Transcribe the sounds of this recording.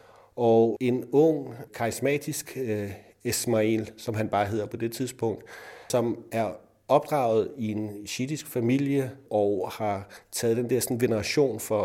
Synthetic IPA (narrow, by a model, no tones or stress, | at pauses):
ʔɒe̝nɔ̽ŋ̰kʰɑ̈ʁismɛ̰ːd̥isɡ̥ | esmæilsɒ̽mɦænb̥ɑ̈ːɦe̝ð̰ˠɐpʰɒ̽d̥e̝t͡sʰiðˠsb̥ɔ̽ŋ̰d̥sɒ̽mæɐ | ɒ̽b̥̚d̥ʁɑ̰̈ːʊð̞̩ˠie̝nɕid̥isɡ̥fæmil̰jəʔɒʊhɑ̈t͡sʰɛːðˠdend̥eɛɐsɒ̽n̩ɡ̥e̝nəʁɑ̈ɕo̝̰ːnfɒ̽